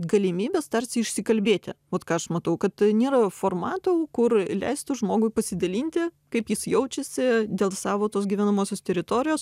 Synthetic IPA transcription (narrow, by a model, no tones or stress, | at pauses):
ɡɐlʲɪmʲiːbʲeːst̪ɐrʲsʲɪɪʃʲsʲɪkɐlʲbʲeːt̪ʲɪ̰ʋɐt̪kɑːɐʃmɐt̪ɐʊkɐt̪nʲeːɾɐfoːrmɑːt̪okʊrlʲɛ̰ɪst̪ʊʒmoːɡʊɪpɐsʲɪd̪ɐlʲiːnʲt̪ʲɪkɐɪpjɪsjɛʊt͡ʃʲɛsʲɪd̪ʲeːlˠsɑːʋoːt̪oːs̬ɡʲiʋʲɛnɐmoːsʲoːst̪ʲɛɾʲɪt̪oːɾʲɪjoːs